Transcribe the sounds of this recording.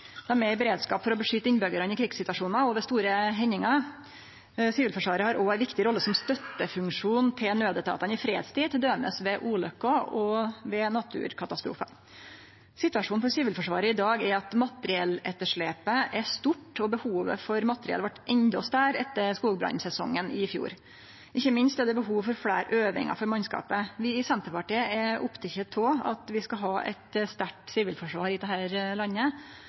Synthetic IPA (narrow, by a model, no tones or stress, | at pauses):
d̪̥ɛæɾmɛɾbɛɾeːd̪skɑːpfɔɾɔbəʂʏt̪əɪnbœɡəɾɑnɪkʰɾɪksɪt̪ʋɑʂuːnɑɔʋɛst̪uːɾəɦɛnɪŋɑ | siːʋəlfɔʂʋɑːɾəhɑɾʔɔæɪʋɪkt̪ɪɾɔlːəsɔmst̪œt̪ːəfʉŋʂuːnt̪ʰɪlnøːd̪ət̪ʰɑ̰ːt̪ɑnɪfɾḛːd̪st̪iːt̪ʰɪd̪øːmə̰sʋɛʔuːlœkːɔɔʋɛnɑt̪ʰʉ̰ːɾkʰɑt̪ɑst̪ɾṵːfɑ | sɪt̪ʉʋɑʂuːnpʰɔsyːʋəlfɔʂʋɑːɾəɪd̪ɑːɡæɾɑt̪mɑt̪əɾɪɛlɛt̪ːəʂɭeːpəʔæʂt̪ʊʈːɔbəhuːʋə̰fɔɾmɑt̪ːəɾɪɛ̰lʋɑʈːʔɛnd̪ɔst̪æːɾɛt̪ːəskuːɡbɾɑ̰nsɛsɔ̰ŋːənɪfjṵːɾ | ʔɪçːəmɪnst̪ɛd̪ɛbəɦuːʋfɔɾfɽæːɾʔøːʋɪ̰ŋɑ̰fɔɾmɑnskɑ̰ːpəʋɪɪsɛnt̪əɾpɑʈiːəɛʊpt̪ʰɛçət̪ʰɔːɑ̰t̪ʋɪskɑɦɑːʔɛ̰t̪st̪æʈsiːʋɪlfɔʂʋɑːɾɪd̪ɛhæːɾlɑnːə